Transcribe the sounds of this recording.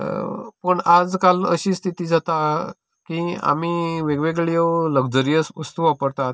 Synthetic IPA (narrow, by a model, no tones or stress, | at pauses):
pəɳad͡zkalə̰ɕiːst̪ʰit̪iːd͡zat̪a | kia̰miʋeɡʋeɡɭijələɡd͡zəɾijəsust̪uʋapəɾt̪at̪